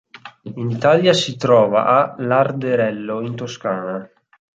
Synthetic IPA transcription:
init̪aljasit̪ɾɔːva̰ʔalard̪eɾɛlːoint̪oskaːna

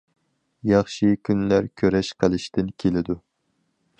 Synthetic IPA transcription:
jɑχʃikʲʰynlæɾkʲʰøɾɛʃqʰəlˠɪʃt̪ɪnkʲʰelɪd̪u

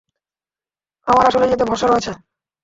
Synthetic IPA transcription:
amaɾaʃoled͡ʑet̪̬ebʱɔʃaɾoet͡ɕʰe

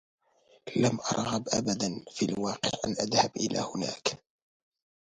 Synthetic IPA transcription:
lamʔɑɾˤɣɑbʔabad̪anfiʔalwɑːqɪ̰ʕʔa̰nʔaðhabʔɪlʔa̰ːhʊna̰ːk

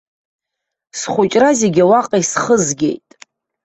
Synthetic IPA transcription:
sχʷʊt͡ʃʼrazeɡʲawaqʼajsχəzɡʲe̞̰jtʼ

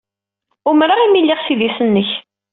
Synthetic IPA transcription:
ʊmɾaimilːɪʁsiðisənːəç

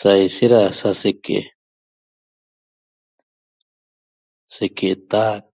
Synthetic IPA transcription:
sajsiɾasasekḛʔ | sekeʔt̪a

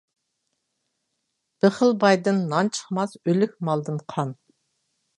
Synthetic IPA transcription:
b̥ɪχəlˠbɑjd̪ɨnːɑnt͡ʃʰə̥χmɑsølykʲmɑlˠd̪ɨnqʰɑn

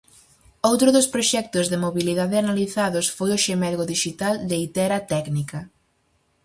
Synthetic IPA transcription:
owt̪ɾʊðʊspɾoʃɛk̚t̪ʊzðɪmoβiliðaðɪanaliθaðʊsfojʊʃemɛlɣoðiʃit̪ald̪eit̪ɛɾɐt̪ɛknikɐ

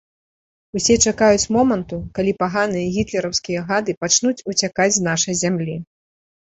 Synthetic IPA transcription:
usʲɛt͡ʂakajut͡sʲmɔmɐnt̪ukalʲipaɣanɨjɐɣʲit̪lʲɛɾɐwskʲijɐɣad̪ɨpat͡ʂnut͡sʲut͡sʲakad͡zʲzn̪aʂɐjzʲamlʲi

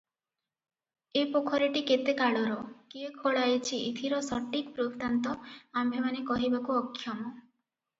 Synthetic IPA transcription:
epokʰɔɾiʈiket̪ekaɭɔɾɔkiekʰoɭajet͡ʃʰiit̪ʰiɾɔsɔʈːikpɾubt̪ant̪ɔambʱemanekɔɦibakuɔkʰːjɔmɔ

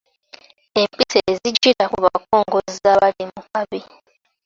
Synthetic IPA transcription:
empisezid͡ʒiɾakuβa̰koːŋɡozizaβaɾimukaβi

